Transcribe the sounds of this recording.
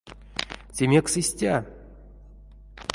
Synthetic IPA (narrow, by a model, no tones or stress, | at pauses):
sʲemʲeksɨsʲtʲa